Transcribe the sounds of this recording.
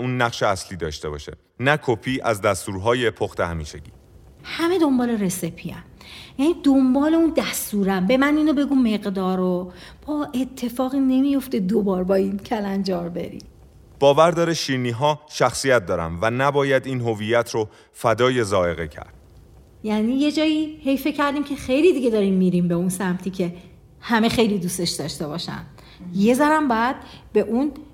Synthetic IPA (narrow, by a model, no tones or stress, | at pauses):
uːnːæqʃeæsliːd̪ɒ̰ːʃt̪e̞bɒ̰ːʃḛ | nækʰopʰiːʔæzd̪æst̪uːɾɦɒːje̞pʰoxt̪ehæmiːʃḛɟḭː | hæme̞d̪o̞mbɒːle̞ɾe̞sepʰːiæ̰mjæniːd̪ombɒːle̞und̪æst̪uːɾæmbe̞mæniːnobe̞ɡuːmːe̞ɣd̪ɒːɾob̥ɒːʔe̞t̪ʰːe̞fɒːɣiːne̞mijo̞ft̪e̞d̪obɒːɾbɒːiːncʰælænd͡ʒɒːɾbe̞̰ɾḭː | b̥ɒːvæɾd̪ɒːɾeʃiɾniːɦɒːʃæxsijæt̪̚d̪ɒːɾæ̰mvænæbɒːjæd̪iːnɦo̞vijæt̪ʰɾo | fæd̪ɒːje̞zɒːe̞ɣecʰæ̰ɾd̪̥̚ | jæːniːje̞d͡ʒɒːjiːhe̞jfe̞cʰæɾd̪iːmcʰexe̞jliːd̪iɡe̞d̪ɒːɾiːmːiːɾiːmbeunsæmt̪ʰiːcʰe̞ | hæme̞xe̞jliːd̪ust̪e̞ʃd̪ɒʃt̪e̞bɒːʃæ̰n | je̞zæɾæmbɒːjæd̪̥̚be̞ʔun